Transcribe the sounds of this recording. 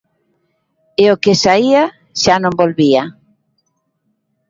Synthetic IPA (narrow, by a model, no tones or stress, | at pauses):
eokesaia | ʃanõmbolβia